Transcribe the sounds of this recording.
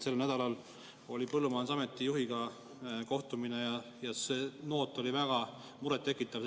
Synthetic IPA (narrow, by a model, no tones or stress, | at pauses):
se̞lnæd̪ɑlɑl | o̞lʲipɤlːumɑːnsɑme̞t̪ːˑijuɦiɡ̥ɑ | ko̞ht̪umine̞jɑ | jɑseːno̞ːt̪ːˑo̞livæɡ̥ɑ | muɾet̪ːe̞kːˑit̪ːˑɑv